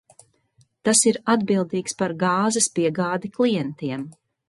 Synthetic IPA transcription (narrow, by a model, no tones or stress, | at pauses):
t̪asiɾad̪bilˠd̪iːkspaɾɡɑːzɐspiɛɡaːd̪iklˠijɛnt̪iɛm